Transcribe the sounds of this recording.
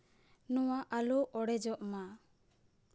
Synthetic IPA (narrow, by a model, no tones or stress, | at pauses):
nɔwaʔalɔʔɔɽɛd͡ʒɔʔma